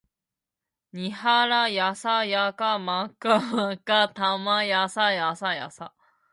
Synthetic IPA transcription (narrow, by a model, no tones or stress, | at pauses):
ɲihaɾajasajakamãkamãkat̪amajasajasaja̰sa